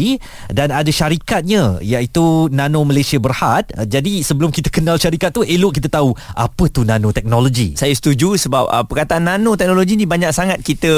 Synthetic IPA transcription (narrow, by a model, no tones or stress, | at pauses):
i | danadaʃaɾikat̪̚ɲãjaʔit̪unãnõməlajsiabərhat̪̚d͡ʒadisəbəlʊmkit̪ə̥kənalʃaɾikat̪̚ːuelʊʔkit̪̬ət̪aua̰pət̪unãnõt̪ɛk̚noloɡḭsajasə̥t̪ud͡ʒusəbap̚əpːərkat̪aʔanːanõt̪ɛk̚noloɡinĩbaɲak̚saŋat̪̚kit̪ə